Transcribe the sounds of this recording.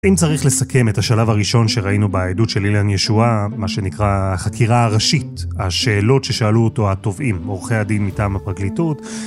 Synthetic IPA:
imt͡saʁiχle̞sakʰe̞me̞thaʃalavaʁiʃo̞nʃeʁainubeajdutʃelilanjeʃuamaʃe̞nikʁaːχakʰiʁaːʁaʃithaʃe̞ːlo̞tʃe̞ʃaluoto̞hato̞vimo̞ʁχe̞jadinmitaːmhapʁaɡlitut

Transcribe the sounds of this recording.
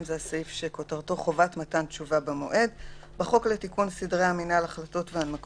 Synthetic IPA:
mzeasaifʃeko̞taʁto̞χo̞vatmatant͡ʃuvabamo̞ʔe̞dbaχo̞kletikunsidʁeaminalaχlato̞tveanmak

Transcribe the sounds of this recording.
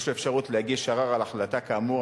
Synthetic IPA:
ʃluefʃaʁut̪lehaɡiʃaʁaʁalaχlat̪akaːmu

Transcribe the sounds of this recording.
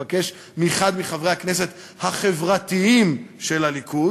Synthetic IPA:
ake̞ʃ | miχad̪miχavʁe̞jhakne̞s̬e̞t̪ | haχe̞vʁat̪iimʃe̞laliku

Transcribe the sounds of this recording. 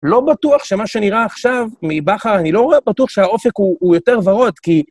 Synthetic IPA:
lo̞batuaχʃe̞maʃe̞niʁaːχʃavmibaχaʁanilo̞ebatuaχʃe̞ao̞fe̞kuːjo̞te̞ʁvaʁo̞t̪ki

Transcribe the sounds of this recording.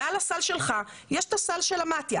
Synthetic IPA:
alasalʃe̞lχa | jeʃt̪asalʃelamat̪ja

